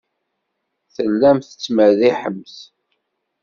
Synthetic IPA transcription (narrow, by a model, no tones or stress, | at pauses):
θəlːæmθə̥t͡sːmæðiħəmθ